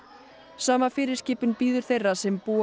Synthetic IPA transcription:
saːmafɪːɾɪ̥scɪːpʏnpiːðʏɾ̥θejrːasɛmpuː

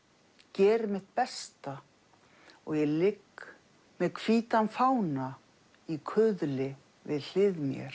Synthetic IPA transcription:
cɛːɾmɪht̪pɛst̪a | ɔɣjɛlɪk | mɛðkʰviːt̪anfaːwna | ikʰʏðlɪ | vɪðl̥ɪðmjɛ̰ɾ̥

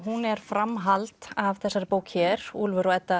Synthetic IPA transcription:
ɦunɛɾ̥fɾamɦalt̪avθɛsːaɾɪpoːwkçɛɾ̥uːlvʏɾɔɛt̪ːa

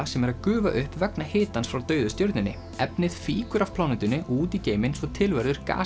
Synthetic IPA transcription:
asɛmɛɾaðkʏːva̰ʔʏhpvɛknahɪːt̪ansfɾawt̪œːɥðʏst̪joɾt̪nɪnːɪ | ɛpnɪðfiːkʏɾafpʰlawnɛt̪ʏnːɪʔuːt̪iceːjmɪnsɔt̪ʰɪlvɛɾðʏɾ̥ka̰ː

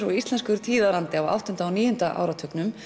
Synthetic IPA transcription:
ɾɔist̪lɛnskʏɾt̪ʰiːðaɾant̪ɪawa̰wht̪ʏnt̪aːwniːjʏn̥t̪aʔa̰ːwɾat̪ʰœknʏm

